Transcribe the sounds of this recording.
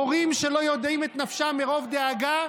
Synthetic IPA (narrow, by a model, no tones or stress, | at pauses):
oʁimʃe̞lo̞jo̞d̪imet̪nafʃameʁo̞vd̪eaɡa